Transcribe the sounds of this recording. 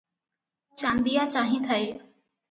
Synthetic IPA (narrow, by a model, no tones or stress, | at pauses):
t͡ʃãːnd̪ijaːt͡ɕaːɦĩːt̪ʰəeː